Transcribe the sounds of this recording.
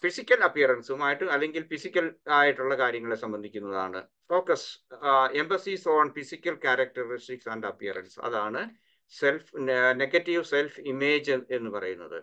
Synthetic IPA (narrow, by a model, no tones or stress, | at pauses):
fisikʲːɐlɐpːijɐrɐnsumaːjiʈːɨɐlːe̞ŋɡilfisikʲːɐlaːjiʈːuɭːɐkaːɾjɐŋːɐɭe̞sɐmbɐnd̪ʱikʲːunːɐða̰ːɳɨ̰ | oːkːɐs | e̞mbɐsisoːɳfisikʲːɐlkaːɾɐk̚tɐristiksaːndɐpːiɐ̰rɐ̰nsɐ̰ðaːɳɨ | se̞lfne̞ɡɐtːiʋse̞lfime̞ːd͡ʑe̞nːɨpɐrɐ̰junːɐ̰ðɨ̰